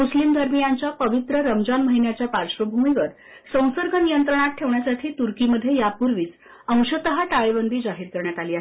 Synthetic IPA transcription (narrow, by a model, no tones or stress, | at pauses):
muslimd̪ʱəɾmijaɲt͡ɕjapəʋit̪ɾəɾəmd͡ʑanməɦinjat͡ɕjapaɾɕʋəbʱumiʋəɾ | sə̃w̃səɾɡʱənijənt̪ɾəɳ̃at̪̚ʈʰeʋɳjasaʈʰiːt̪uɾkiməd̪ʱːjejapuɾʋiːt͡s | ə̃w̃ɕət̪əɦaʈaɭebənd̪ʱiːd͡zaɦiːɾkəɾɳjat̪aliːaɦ